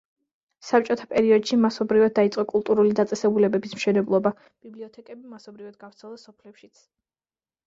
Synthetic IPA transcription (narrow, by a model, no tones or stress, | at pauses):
sap̚t͡ʃʼɔt̪ʰapʼɛɾiɔd̪ʃimasɔbɾivad̪̚ːait̪sʼqʼɔkʼulˠt̪ʼuɾulid̪at̪sʼɛsɛbulɛbɛbismʃɛnɛblˠɔba | b̥ibliɔt̪ʰɛkʼɛbimasɔbɾivad̪̚ɡavɾt̪ʰɛlˠasɔpʰlɛpʃit̪sʰ